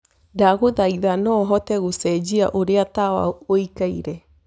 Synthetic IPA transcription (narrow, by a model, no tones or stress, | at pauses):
daɣoðaiðanɔɦɔtɛɣusɛd͡ʒia̰ʔoɾeatawa̰oikaiɾɛ